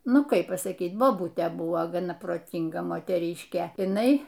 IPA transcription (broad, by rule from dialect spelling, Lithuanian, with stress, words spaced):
ˈnʊ ˈkɐɪp pɐsɐˈkʲiːt boːˈbʊtʲeː ˈbʊʋoː ɡɐˈnɐ proːˈtʲiːŋɡɐ moːtʲɛˈrʲiːʃʲkʲeː ɪˈnɐɪ